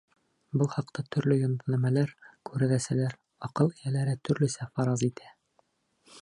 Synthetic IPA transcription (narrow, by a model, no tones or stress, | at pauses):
bɤlˠχɑqt̪ɑt̪ʰɵ̆ɾlɵjŏnd̪næmælæɾkʉɾɘ̆ðæsælæɾ | ɒqɤlˠĭjælæɾæt̪ʰɵ̆ɾlɵ̆sæfɑɾɑzit̪ʰæ